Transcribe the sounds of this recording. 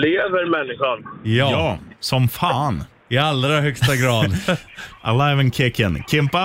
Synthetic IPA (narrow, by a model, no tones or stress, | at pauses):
leːvəɾmɛnːɪɧanjɑːsɔmfaːn | ɪalɾaɦœkstt̪aɡɾɑːd̪ʔa̰laɪvənkʰɪkənkʰɪmpa